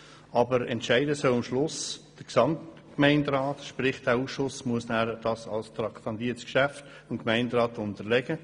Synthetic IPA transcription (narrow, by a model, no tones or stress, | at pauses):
ɑbəɾɛ̰ntʃæɪdəsœlɪmʃlʊsd̥əɾksɑmt | kmæɪndɾɑːtʃpɾɪχd̥æːuːsʃʊsmuəsnæːɾd̥ɑsɑ̰lst̪ɾɑktɑnd̪iːətskʃæft | ʊnkmæɪndɾɑːtʊntəɾlɛɡə